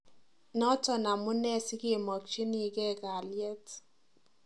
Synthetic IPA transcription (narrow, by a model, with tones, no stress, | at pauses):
nɔ˦tɔ˦na˨mu˦nɛ˦sɪ˦ɡe˦˨mɔ˨kt͡ʃi˦ni˦˨ɡɛ˦ɡa˨ljɛ˦t